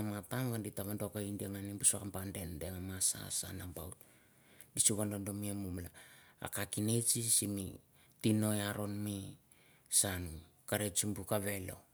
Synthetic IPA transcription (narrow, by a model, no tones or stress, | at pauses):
amataŋɡanditaβandokaindiaŋanibusakampande̞ndeŋamasa̰sa̰nambawt | disuβandondo̞miamumlaa̰kakine̞t͡ʃisimḭ | tino̞jaɾo̞nmi | sanu | kaɾet͡ʃimbukaβe̞lo̞̰